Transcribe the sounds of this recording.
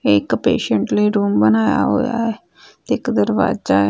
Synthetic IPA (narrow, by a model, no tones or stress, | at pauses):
eɪkpeːʃəɳʈləiːɾuːmbənaːja̰ɦo̰ːja̰ɛ | t̪eɪkd̪əɾʋa̰ːd͡ʒaː